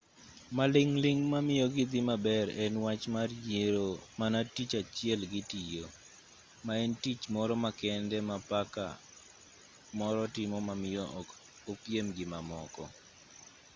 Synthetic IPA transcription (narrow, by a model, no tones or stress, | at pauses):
malɪŋlɪŋmamɪjɔɡɪd̪ɪmabɛɾɛnwat͡ʃmarjeɾomanatit͡ʃat͡ʃjɛlɡɪtijo | maɛntit͡ʃmɔɾɔmakɛndɛmapaka̰ | mɔɾɔtɪmɔmamɪjɔʔɔk | opjemɡɪmamɔ̰kɔ̰